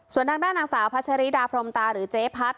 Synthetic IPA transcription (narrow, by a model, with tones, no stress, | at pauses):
su˨˩ənt̪ʰaː˧ŋdaː˥˩nːaː˧ŋsaː˩˦wpʰa˦˥t͡ɕʰa˧ɾi˦˥daː˧pʰɾo˧mt̪aː˧ɾɯː˩˦t͡ɕeː˦˥pʰa˦˥t̪̚